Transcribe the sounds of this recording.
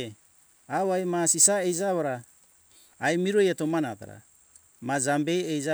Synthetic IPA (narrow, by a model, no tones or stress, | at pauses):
aβajmasisaejd͡ʒaβaɾaː | jmiɾojatomanata̰ɾa̰ | mad͡ʒambe̞jejza